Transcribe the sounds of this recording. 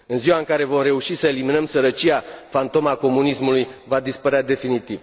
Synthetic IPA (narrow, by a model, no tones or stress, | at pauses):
ɨnziwaɨŋkaɾe̞vo̞mre̞uʃisəeliminəmsəɾət͡ʃiafant̪o̞mako̞munismulujvad̪ispəɾead̪e̞finit̪iv